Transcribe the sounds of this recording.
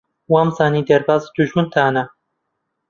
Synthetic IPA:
waːmzaːnid̪ɐɾbaːzd̪̥uʒmɨnt̪ʰaːnɐ

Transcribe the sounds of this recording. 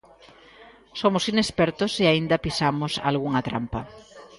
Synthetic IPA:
somʊsinespɛɾt̪ʊseaind̪ɐpisamʊsa̰lɣuŋat̪ɾa̰mpa

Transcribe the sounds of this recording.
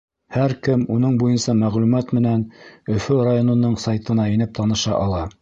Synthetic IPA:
hæɾkɘmunɤɴbujɤnsɑmæʁlʉmæt̪mɘ̆nænɵ̆fɵɾajonɤ̆nːɤɴsɑjt̪ɤ̆nɑinɘp̚t̪ʰɑnɤ̆ʃɑʔɑlˠɑ

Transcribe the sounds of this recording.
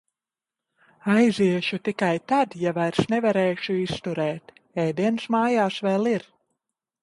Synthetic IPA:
ajziɛʃut̪ikajt̪ad̪javajɾsnɛvaɾɛːʃuist̪uɾɛːt̪ | ɛjd̪iɛnsmaːjaːsvɛːlˠiɾ

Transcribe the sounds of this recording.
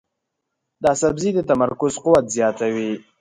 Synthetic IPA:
d̪ɑsabzid̪ət̪amaɾkʊzqʊwat̪zjɑt̪awi

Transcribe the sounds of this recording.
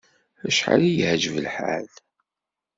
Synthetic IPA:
æʃħa̰lijhd͡ʒəvəlħa̰ð

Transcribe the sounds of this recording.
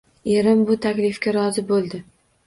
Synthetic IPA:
e̞ɾɪmbʊt̪ʰakʲlɪfkʲaɾɒzɪbolˠd̪ɪ

